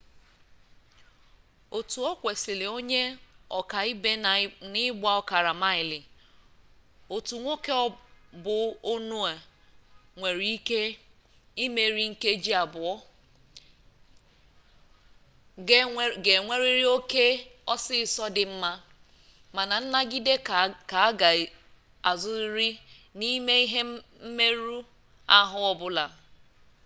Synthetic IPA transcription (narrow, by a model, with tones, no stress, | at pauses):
o˨tu˨ɔ˦kʷe˨si˨le˨o˦ɲe˦ɔ˨ka˨i˦be˦nɪ˦ɡ͡bʷa˦ɔ˨ka˨ɾa˨ma˦ɪ˨lɪ˨ | o˨tu˨ŋʷo˦ke˦bʊ˨o˦nu˦a˨ | ŋʷe˨ɾi˦i˦ke˦ | i˦me˨ɾi˦ŋ̩˦ke˦d͡ʒi˦a˨bʊ˨ɔ˦ | ɡe˨ŋʷe˦ɾi˦ɾi˦o˦ke˦ɔ˦sɪ˦˨sɔ˦dɪ˨m̩˦ma˦ | ma˨na˨n̩˦na˦ɡi˦de˦ka˨˦ɡa˨ | a˨zʊ˦ɾɾi˦ | ni˦me˦i˦ɦe˦ | m̩˦me˦ɾu˦ | a˦ɦʊ˦ɔ˦bʊ˦la˨